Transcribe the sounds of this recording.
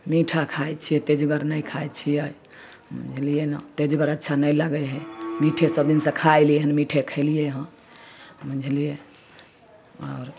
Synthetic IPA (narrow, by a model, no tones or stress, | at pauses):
miʈʰakʰajt͡ʃʰijet̪ed͡ʒɡəɾnəjkʰajt͡ʃʰijəj | mə̰̃nd͡ʒʱlijenat̪ed͡ʒɡəɾətːʃʰanəjləɡəjɦɛmiʈʰesəbd̪insə̃kʰajlieɦənmiʈʰekʰəlijeɦə̃ | mə̃nd͡ʒʱlie | ɔːɾ